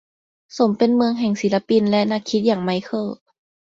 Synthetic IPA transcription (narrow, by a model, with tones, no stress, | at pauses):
so˨˦mpe˧˨nmɯ˧əŋɦɛ˨˩ŋsiː˨˩˦la˧˥pi˧nlɛ˦˧ʔna˧˩kʰi˦t̪̚jaː˨˩ŋma˧˥˦jkʰɤː˧˩